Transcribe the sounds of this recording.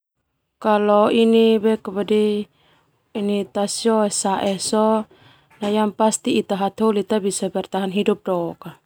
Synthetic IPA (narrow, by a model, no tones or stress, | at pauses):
kalɔinibɛkabadi | init̪asjɔɛsaʔɛsɔ | najampast̪iːt̪aɦat̪ɦolit̪abisabɛrt̪aɦanɦidup̚dɔka